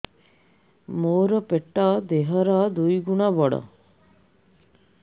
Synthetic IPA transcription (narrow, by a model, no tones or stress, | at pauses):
moːɾəpeʈːaːd̪eɦəɾaːd̪ujɡuɳabɔɽə̰